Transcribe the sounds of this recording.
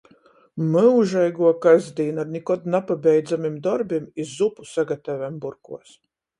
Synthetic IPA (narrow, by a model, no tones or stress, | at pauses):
mɨuʒajɡuɔkazd̪iːnadnʲikɔt̪napabɛjd̪zamimd̪ɔɾbimizːupu̥saɡat̪avɛmbuɾkṵɔs